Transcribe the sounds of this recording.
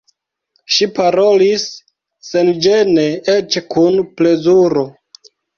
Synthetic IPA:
ʃipaɾo̞lisː | end͡ʒeneet͡ʃkunple̞zuɾo̞

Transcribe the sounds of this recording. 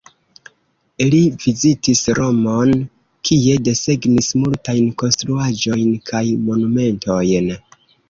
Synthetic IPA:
livizitisɾo̞mon | kʰie̞de̞se̞ɡnismultajnko̞nstɾuad͡ʒo̞jnkʰajmo̞nume̞ntʰo̞jn

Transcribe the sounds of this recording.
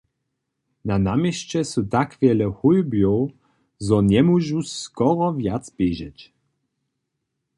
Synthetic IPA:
nanamʲjɛɕt͡ɕɛsut̪akvʲjɛlɛxujbjɔw | zɔɲɛmuʒuskɔɾɔvjat̪sb̥ʲjɛʑɛ̰t͡ɕ

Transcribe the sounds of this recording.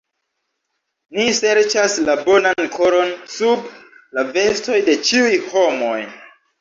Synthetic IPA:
nise̞ɾt͡ʃaslabo̞nankʰo̞ɾo̞nsublave̞sto̞jde̞t͡ʃiujho̞mo̞j

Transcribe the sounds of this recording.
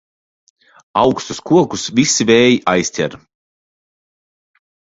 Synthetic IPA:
awkst̪uskuɔkusvʲisivʲɛːjiʔajsʲt̪ʲɛ̰ɾ

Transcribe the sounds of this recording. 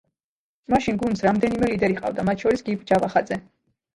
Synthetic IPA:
maʃinɡunsɾamd̪ɛnimɛlid̪ɛɾiqʼa̰vd̪amat̪ʰʃɔɾisɡipd͡ʒavaχad̪zɛ

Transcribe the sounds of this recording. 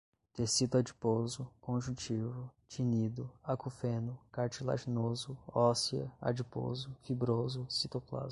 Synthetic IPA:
t̪esit̪ʊad͡ʒipozʊkõʒũt͡ʃivʊt͡ʃinid̪ʊakufẽnʊkaɾt͡ʃila̰ʒinozʊɔsiɐ̰a̰d͡ʒipo̰zʊfibɾozʊsit̪okla̰z

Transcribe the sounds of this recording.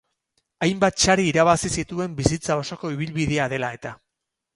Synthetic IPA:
ajmbat̪t͡ʃaɾiːɾaβ̞asisit̪ue̞mbisit͡sao̞soko̞iβ̞ilβið̞e̞aðe̞lae̞t̪a

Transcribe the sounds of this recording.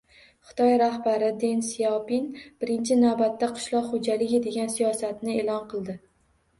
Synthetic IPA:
χɨ̥t̪ʰɒjɾahbaɾɪd̪e̞nsijapinb̥ɪɾɪnt͡ʃʰɪnavbat̪ːaqʰʊ̥ʃlˠɒqχod͡ʒalɪɡʲɪd̪e̞ɡʲansijɒsat̪nɪelɒnqʰɨlˠd̪ɪ

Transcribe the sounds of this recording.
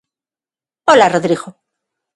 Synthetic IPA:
olaroðɾiɣo

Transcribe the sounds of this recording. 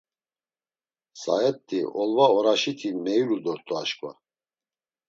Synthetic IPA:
saɛt̪ʼːiʔɔlvaɔɾaʃit̪ʰimɛjulud̪ɔɾt̪ʼɔaʃkʼva̰

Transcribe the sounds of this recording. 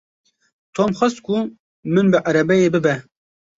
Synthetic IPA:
t̪ʰoːmχɐst̪kʊ | mɨnbɨʔɐɾɛbɛjeːbɨbɛ

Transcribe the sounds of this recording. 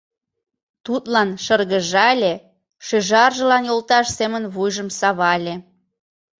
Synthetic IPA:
t̪ut̪lɑnʃərɣəʒɑlʲe | ʃeʒɑrʒə̆lɑnjolt̪ɑʃsemənβujʒəmsɑβɑlʲe

